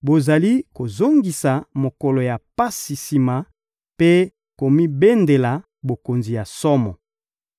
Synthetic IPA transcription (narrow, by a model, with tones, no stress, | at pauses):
bo˨za˨li˦ko˨zo˦ŋɡi˨sa˨mo˨kɔ˨lɔ˨ja˨pa˦si˨si˨ma˨ | pe˦ | ko˨mi˦be˦nde˨la˨ | bo˨ko˨nzi˨ja˨sɔ˦mɔ˨